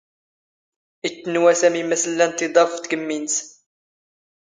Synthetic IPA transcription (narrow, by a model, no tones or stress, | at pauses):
it̪ːənwæsæmimæsəlːænt̪ːid̪ˤɑfft̪ɡəmːins